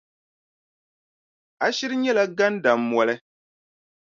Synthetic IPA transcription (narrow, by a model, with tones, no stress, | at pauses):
a˦ʃi˦ɾɨ˦ɲɛ˦la˦ɡa˦n˦da˨mː˦wɔ˨lɛ˦